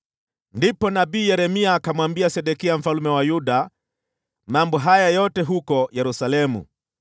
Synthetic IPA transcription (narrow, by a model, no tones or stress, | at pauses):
ndipɔnaɓiːjɛɾɛmiakamwambiasɛɗɛkiam̩falumɛwajuɗa | mambɔɦajajɔtɛɦukɔjɛɾusalɛmṵ